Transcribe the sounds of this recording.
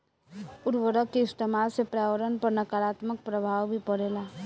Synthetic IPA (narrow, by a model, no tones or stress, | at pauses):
uɾʋəɾəkːeɪst̪emalsepɾawəɾənpəɾnəkaɾat̪mək̚pɾəbʱawbʱipəɽela